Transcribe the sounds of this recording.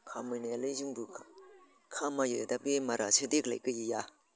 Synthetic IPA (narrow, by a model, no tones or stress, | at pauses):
kʰamɯnelɯzuŋbukʰa | kʰamajɯd̪abemaɾasʰɯd̪ekla̰kɯjija